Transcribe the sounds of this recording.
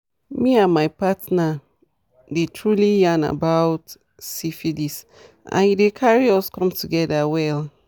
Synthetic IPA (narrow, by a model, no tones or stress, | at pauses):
miãnmajpatna | detʰɹulijãna̰bawt | sifilis | ʔã̰nidekʰaɹiɔskɔ̃mtʰuɡɛdawɛl